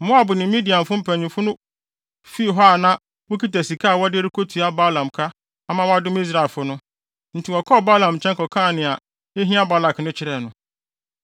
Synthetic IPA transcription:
mʊ̃˦a˨bʊ˨nɪ̃˨˦mĩ˦di˨ã˨nfʊ˦m̩˦pʰæ̃˨ɲĩ˨fʊ˦nʊ̃˦ | fi˦˨ɦɔ˦a˨nã˦ | wʊ˦ki˦tæ˨si˨kʰaː˦˨wɔ˦dɪ˦ɾi˦kʰo˦tʰu˨a˦ba˦lã˨mkʰa˦ | a˦mã˦wɔ˦a˦dʊ̃˦mi˦s̬ɾa˨ɛ˨lfʊ˦nʊ̃˦ | n̩˨tʰi˨wɔ˨kʰɔ˦˨ba˦lã˨mt͡ɕʰɛ̃˦ŋkɔ˨kʰã˦˨nɪ̃˨a˨ | e˦ɦĩ˦a˦ba˦la˨knɪ̃˦t͡ɕʰɪ˦ɾɛ˨nʊ̃˨˦

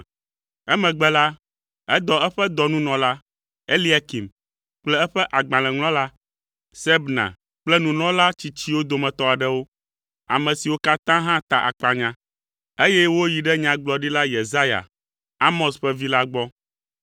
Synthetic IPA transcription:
ɛ˦mɛ̃˨ɡ͡bɛ˦la˦ | ɛ˦d̪ɔ˨ɛ˦ɸɛ˦d̪ɔ˨nũ˦nɔ̃˨la˦ | e˦li˦a˨ki˨m | k͡plɛ˦ɛ˦ɸɛ˦ʔa˨ɡ͡bã˨lɛ̃˨ŋl̃ɔ̃˦la˦ | sɛ˦bnã̰˨ | k͡plɛ˦nũ˨nɔ̃˦la˦t͡ɕi˨t͡ɕi˦wo˦d̪o˨mɛ̃˨t̪ɔ˦a˨ɖɛ˦wo˦ | a̰˨mɛ̃˨si˨wo˦ka˦t̪ã˦ɦã˦t̪a˨ʔa̰˨k͡pa˨ɲã˦ | e˦jɛ˦wo˦ji˨ɖɛ˦ɲã˨ɡ͡blɔ˨ɖi˦la˦je˨za˦ja̰˨ | a˦mɔ̃˨sɸɛ˦vi˦la˦ɡ͡bɔ˦

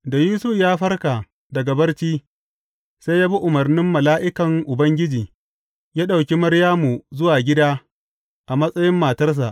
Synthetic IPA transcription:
da˨jiː˦su˦jaː˦ɸɐ˦rkaː˨ | dɐ˨ɡɐ˨bɐ˦rt͡ʃiː˦ | sa˦jaː˦bi˦ʔʊ˨mɐ˨rnɪ˦mːɐ˨laː˦ʔɪ˦kɐ˨ŋʔʊ˨bɐ˦ŋɡʲɪ˦d͡ʒiː˨ | jaː˦ɗa˨wkʲi˦mɐ˦ɾjaː˦mu˨zʊ˦waː˨ɡʲɪ˦daː˦ | ʔa˨mɐ˦sʼɐ˦jɪ˦mːaː˨tɐ˦rs̬a̰˨ʔ

